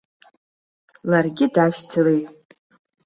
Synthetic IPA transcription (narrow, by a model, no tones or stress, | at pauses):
larɡʲɪdaʃtʰɨle̞jtʼ